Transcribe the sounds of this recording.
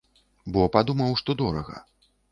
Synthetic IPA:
bɔpad̪umɐwʂt̪ɔd̪ɔɾɐɣɐ̰

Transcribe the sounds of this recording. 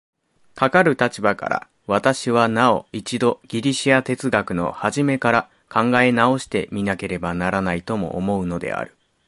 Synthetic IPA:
kakaɾɯ̟t̪at͡ɕibaka̰ɾa̰ | β̞at̪aɕiβanao̞̰it͡ɕid̪o̞ɡ̥ʲiɾʲiɕiat̪e̞t͡sɨɡakɯ̟no̞̰haʑime̞kaɾa | kʰãŋɡae̞nao̞ɕi̥t̪e̞mʲinake̞ɾe̞banaɾanait̪o̞mo̞̰ʔːmo̞ɯ̟no̞d̪e̞̰a̰ɾɯ̟

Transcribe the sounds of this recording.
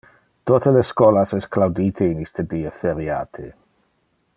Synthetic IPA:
tʰotələskɔlasɛskʰlawditʰeinistʰədiːəfɛɾjatʰe

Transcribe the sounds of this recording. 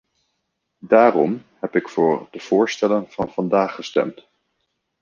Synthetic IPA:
daːrɔmɦɛpɪkfʊːɹdəv̥ʊːɹstɛlənv̥ɑnv̥ɑndaːχəstɛ̰mt

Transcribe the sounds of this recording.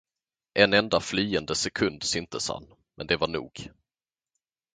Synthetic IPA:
ʔɛnɛnd̪afliːənd̪əsɛkʰɵnd̪sʏnt̪əsha̰nː | mɛ̰nd̪ɛvaɳṵːɡ̥

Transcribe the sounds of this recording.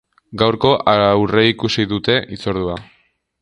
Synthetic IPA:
ɡawɾko̞ʔawreikusiðut̪e̞ʔit͡so̞ɾðua

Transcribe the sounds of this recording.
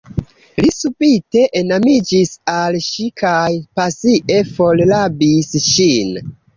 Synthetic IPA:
lisupite̞ʔenamid͡ʒisalʃikʰajpasiʔe̞fo̞llabisʃin

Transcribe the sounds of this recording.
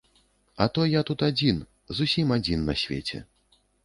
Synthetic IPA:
ɐt̪ɔjat̪ut̪ad͡zʲin | zusʲimad͡zʲinːɐsʲvʲḛt͡sʲɛ̰

